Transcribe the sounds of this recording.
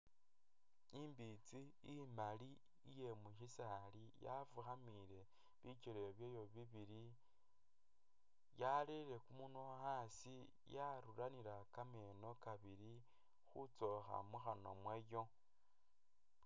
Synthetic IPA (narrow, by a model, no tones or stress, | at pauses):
imbit͡siː | mali | ije̞muʃisalija̰vuxamiɾe̞ | βit͡ʃeɾeoβjejo̞βiβiɾi | jalele̞kumunoasi | jaɾuɾaniɾakameno̞kaβiɾi | xut͡so̞xa̰muxano̞mwejo̞